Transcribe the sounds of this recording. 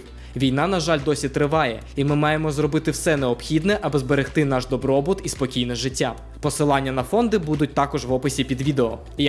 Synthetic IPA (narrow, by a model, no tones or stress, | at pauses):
ʋʲijn̪ɑnɐʒɑlʲd̪ɔsʲit̪ɾɪʋɑjɛ̰ | imɪmɑjemɔzrɔbɪt̪ɪwsɛneɔpxʲid̪nɛʔɐbɨzbeɾext̪ɪnɑʃd̪ɔbɾɔbʊt̪ispɔkʲijnɛʒɪtʲːa | pɔsɪlˠɑnʲːɐnɐfɔnd̪ɪbud̪ʊt̚ʲt̪ɑkɔʒʋɔpɪsʲipʲid̪ʋʲid̪eɔ